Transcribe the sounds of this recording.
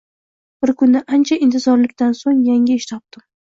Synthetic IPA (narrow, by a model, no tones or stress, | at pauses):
b̥ɪɾkʰʊnːaʔant͡ʃʰaʔɪnt̪ʰɪzɒɾlɪkʲt̪ansoŋjaŋʲɪɪʃt̪ʰɒp̚t̪ɪm